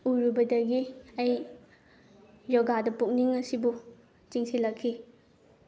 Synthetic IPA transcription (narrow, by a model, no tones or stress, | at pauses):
uɾubɐdɐɡiɐj | jɔɡadɐpuk̚niŋɐsibu | t͡ʃiŋsilɐkʰːi